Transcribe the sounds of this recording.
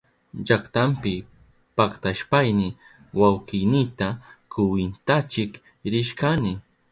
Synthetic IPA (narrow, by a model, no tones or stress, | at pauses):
d͡ʒakt̪ampɪ | pɑχt̪aʃpajnɪ | wawqɪjnɪt̪akʊwɪnt̪at͡ʃɪk | ɾɪʃkanɪ